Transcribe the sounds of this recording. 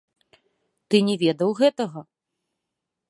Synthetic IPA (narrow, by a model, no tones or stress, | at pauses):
t̪ɨnʲɛvʲɛd̪ɐwɣɛt̪ɐɣɐ